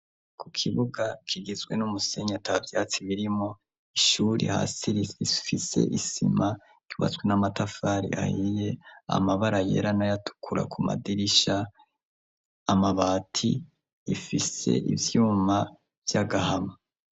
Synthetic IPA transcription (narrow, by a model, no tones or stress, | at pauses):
kʰukʰiβuɡakʰiɡizɡwe̞̰numuse̞ɲatʰavjaːt͡siβiɾimo | iʃuːɾḭha̰ːsiɾiifise̞̰ʔisimḁ | uːβa̰t͡swe̞namatafaɾḭa̰hije̞a̰maβaɾajḛɾanajatʰu̥kʰuɾa̰kʰuma̰diɾiʃa | maβaːtʰiː | fise̞̰ʔḭvjuːma | vjaɡahama